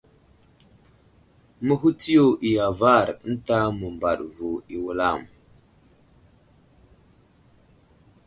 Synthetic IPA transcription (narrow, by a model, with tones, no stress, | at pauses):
mə˦ɦu˦ti˦jo˨ʔi˨ja˨va˦˨ɾ̩˦ta˦mə˨mba̰˨ɗvu˨i˨wu˦la˦˨m